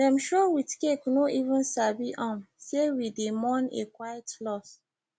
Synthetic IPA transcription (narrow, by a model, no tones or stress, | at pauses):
dɛ̃mʃowitkeknoʔivũnsabiʔãmsewidemɔ̃nḛkwajɛtlɔs